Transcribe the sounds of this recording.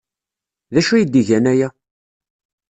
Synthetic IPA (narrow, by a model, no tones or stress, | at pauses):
ðæʃujid̪iʝænæjæ